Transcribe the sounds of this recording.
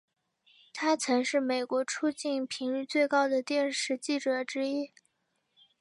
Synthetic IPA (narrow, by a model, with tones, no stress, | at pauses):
t̪ʰa˥t͡sʰɤ˧˥ŋʂɻ̩˥˩me˨˩ɪkwɔ˧˥ʈ͡ʂʰu˥t͡ɕi˥˩npʰi˧˥ŋly˥˧t͡swe˥˧ɪkɑ˥ʊd̪ə˨t̪jɛ˥˧nʂɻ̩˥˧t͡ɕi˥˩ʈ͡ʂɤ˨˩ʈ͡ʂɻ̩˥i˥